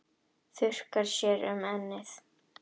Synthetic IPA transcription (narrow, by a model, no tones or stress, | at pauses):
θʏr̥kaɾʃɛːɾʏ̰mɛnːɪθ